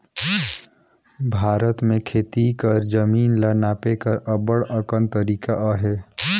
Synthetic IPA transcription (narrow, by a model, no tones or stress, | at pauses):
bʱaːɾət̪mẽkʰeːt̪ikəɾd͡ʒəmiːnlənaːpekəɾəbəɽəkənt̪əɾiːkaʔaɦeː